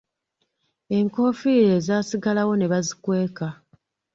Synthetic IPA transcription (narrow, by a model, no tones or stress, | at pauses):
e̞ŋko̞fiɾe̞ːzaːsiɡalawo̞ne̞βazikwe̞ːka